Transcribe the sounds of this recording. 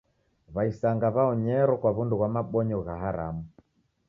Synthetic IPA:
βaisaŋɡaβaɔɲɛɾɔkwaβunduɣwamaɓɔɲɔɣaɦaɾa̰mu

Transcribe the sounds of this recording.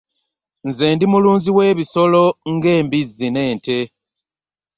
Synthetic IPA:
nzeːndimuluːnziwe̞ːβiso̞lo̞ŋɡe̞ːmbizine̞ːnte

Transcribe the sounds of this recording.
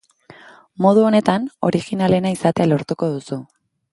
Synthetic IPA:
mo̞ð̞uo̞ne̞t̪ano̞̰ɾiɣinale̞naisat̪ealo̞ɾt̪uko̞ð̞usu

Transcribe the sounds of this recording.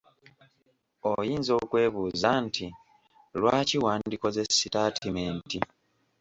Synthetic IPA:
ojiːnzo̞ːkwe̞ːβuːzantʰi | lwaːciwaːndiko̞ze̞sitaːtʰimeːnti

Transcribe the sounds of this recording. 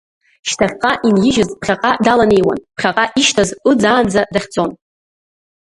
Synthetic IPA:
ʃtʰaχʲqʼaʔinjɪʒɪzpχʲaqʼadalane̞jwa̰npʰχʲaqʼaʔiʃtʰazɨd͡zaːnd͡zadaχʲd͡zo̞n

